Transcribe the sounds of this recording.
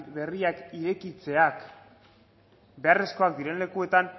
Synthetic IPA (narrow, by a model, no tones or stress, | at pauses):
βe̞riakiɾe̞kit͡se̞ak | be̞are̞sko̞ak̚d̪iɾenle̞kue̞t̪an